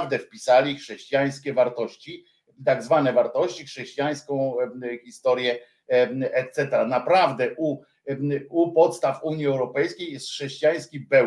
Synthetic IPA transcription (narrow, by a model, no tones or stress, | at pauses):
vd̪ɛfpʲisalʲixʂɛɕt͡ɕijaj̃skʲɛvaɾt̪ɔɕt͡ɕi | t̪aɡzvanɛvaɾt̪ɔɕt͡ɕixʂɛɕt͡ɕijaj̃skɔ̃w̃çʲist̪ɔɾjɛ | ɛt̪sɛt̪ɛɾanapɾavd̪ɛʔu | upɔt̪st̪afuɲiɛwɾɔpɛjskʲejɛst̪xʂɛɕt͡ɕijaj̃skʲibɛ